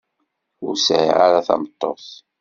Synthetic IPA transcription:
ʊɾsʕiʕaɾaθɑ̰mət̪ˤːoθ

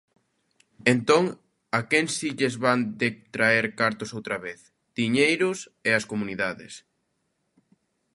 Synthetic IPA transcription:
ent̪oŋ | akensiʎezβand̪et̪ɾaeɾkaɾt̪osowt̪ɾɐβeθ | d̪̥iɲejɾʊseɐskomuniðaðɪ̰s

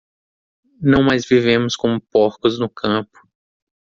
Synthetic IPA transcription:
nɐ̃w̃majzvivẽmʊskõmʊpɔɾkʊznʊkʰɐ̃pʊ̥

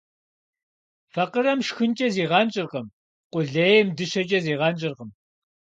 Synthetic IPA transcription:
fɐqəɾɐmʃxɨnt͡ʃʼɐziːʁɑnt͡ʃʼɪrʁəm | qʷʊɮejɛmdɨɕɐt͡ʃʼɐziːʁɑnt͡ʃʼɪrʁəm

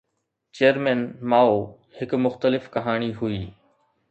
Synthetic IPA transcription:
t͡ʃeːəɾmɛnmaːo | hɪkmʊxt̪əlɪfkɐɦaːɽ̃iɦʊiː

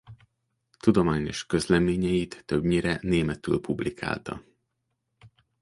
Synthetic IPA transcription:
t̪ud̪o̞maːɲoʃkø̞zlɛmeːɲɛjit̪ːøbɲiɾɛneːmɛt̪y̰ːlpublikʰa̰ːlt̪ɒ̰

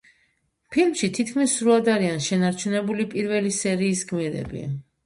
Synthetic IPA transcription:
pʰilmʃit̪ʰit̪̚ʰkʰmisːɾuad̪aɾianʃɛnaɾt͡ʃʰunɛbulipʼiɾvɛlisɛɾiːsɡmiɾɛ̰bḭ

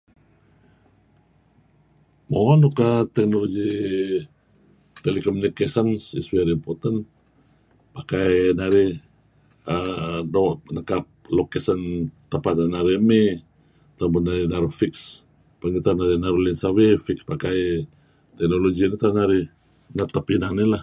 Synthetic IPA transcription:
moŋɔnukat̪ɛk̚noloɡi | t̪elikomunikesənsḭswaɾimpot̪an | pakajnaɾi | ədoʔnəkap̚lokesənt̪əpat̪̚anaɾiəme | t̪abənaɾinaɾufiks | panit̪anaɾinaɾulinsawefikspakaj | t̪ɛk̚noloɡinit̪anaɾi | nat̪apinanilah

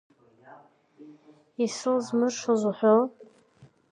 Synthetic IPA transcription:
isɨlzmɨrʂozuħʷo

